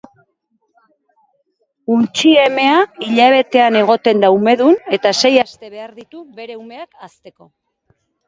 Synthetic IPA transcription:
unt͡ʃie̞me̞aiʎaβ̞e̞t̪e̞ane̞ɣ̞o̞t̪e̞nd̪aume̞ðune̞t̪ase̞jast̪e̞βe̞aɾðit̪uβe̞ɾe̞ume̞akast̪e̞ko̞

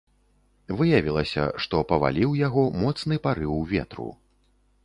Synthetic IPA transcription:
vɨjavʲilˠɐsʲɐ̰ʂt̪ɔpɐva̰lʲiwjaɣɔmɔt̪snɨpaɾɨwvʲɛt̪ɾṵ

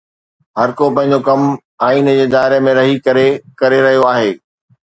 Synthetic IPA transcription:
ɦɐɾkopɐ̃ɦɪ̃ɲ̆d͡ʑokɐm | aːiːnd͡ʑeːzaːɪɾemẽɾɐɦikɐɾekɐɾeɾɐɦijoaːɦeː

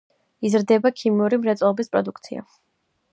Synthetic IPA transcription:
izɾd̪ɛbakʰimiuɾimɾɛt̪sʼɔlˠɔbispʼɾɔd̪ukʰt̪sʰia̰

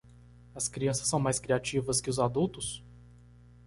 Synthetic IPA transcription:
ɐskɾiɐ̃sɐ̥sːɐ̃w̃majskɾiat͡ʃivɐskɪʊzad̪uwt̪ʊs

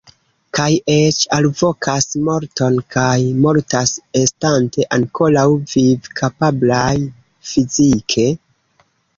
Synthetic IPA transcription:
kajet͡ʃalvo̞kʰasmo̞ɾto̞nkʰajmo̞ɾtasestante̞ʔaŋko̞lawvivkʰapablaj | fizikʰe̞

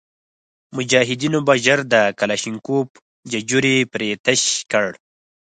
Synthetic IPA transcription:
mʊd͡ʒɑːɦɪd̪inobaʒəɾd̪əkalaʃiŋkup | d͡ʒad͡ʒuɾipɾet̪əʃkəɽ

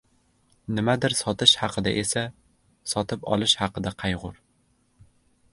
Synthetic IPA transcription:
nɪmad̪ɪɾsɒt̪ɪʃhɑqʰɨd̪a̰ʔesa | sɒt̪ʰɪpɒ̰lˠɪʃhɑqɨd̪aqʰɑjʁʊɾ

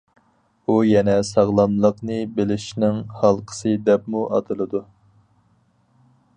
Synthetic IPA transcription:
ujɛnɛsɑʁlˠɑnlˠəqnɨbelɪʃnɪŋhɑlˠqʰə̥sɨd̪ɛpmuʔɑ̰t̪ʰɨlˠɨd̪u

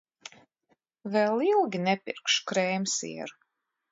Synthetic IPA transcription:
vɛlˠilˠɡʲinɛpḭɾkʃkɾɛjmsḭɛɾ

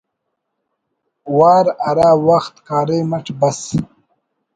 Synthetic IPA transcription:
waːɾaɾaːwaxt̪kaːɾejmɐʈ͡ʂbɐs

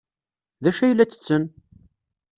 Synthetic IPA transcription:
ðæʃæjəlːæt͡sːə̥t͡sːən

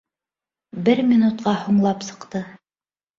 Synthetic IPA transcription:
bɘɾmʲinut̪̚qɑhuɴlˠɑpsɤ̆qt̪ɤ

